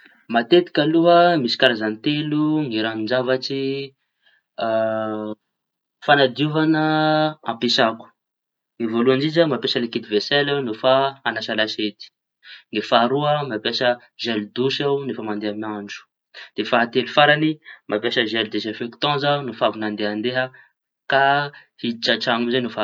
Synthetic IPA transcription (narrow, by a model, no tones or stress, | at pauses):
mat̪et̪i̥kʲaluɦəmisi̥kaɾazanit̪eluŋiɾanind͡ʒavaʈ͡ʂi | fanad̪iuvanəã̰pesaku̥ | ŋivoluand͡ʒizəmapjasəlekid̪ivesɛlanufaanaʃalaʃet̪i̥ | nifaɾuəmapjasə | ʒɛlud̪uʃawnefəmand̪eamiaɳd͡ʒu̥ | d̪̥efaat̪elufaɾanimʔapjasəʒɛlud̪ezefekt̪ɔ̃zanufavunand̪eand̪eɦə | kahit͡ʃaʈ͡ʂaŋumzanufa